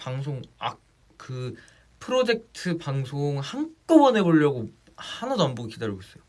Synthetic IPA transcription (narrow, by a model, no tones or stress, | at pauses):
paŋs̬ʰoŋa̰k | kɯ | pʰɯɾod͡ʑe̞k̚tʰɯpaŋsʰoŋhank͈ɯbʌne̞boʎːʌɡo | hanɯnʌmbuɡikidaɾjoɡoes͈ʌjo